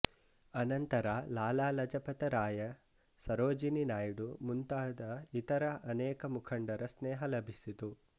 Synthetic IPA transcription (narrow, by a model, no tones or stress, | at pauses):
ɐnɐnt̪ɐɾalaːlaːlɐd͡ʒɐpɐt̪ɐɾaːjɐ | sɐɾoːd͡ʒininaːjɽumunt̪aːd̪ɐit̪ɐɾɐʔɐnɛːkɐmukʰɐɳɖɐɾɐsneːɦɐlɐbʱisit̪u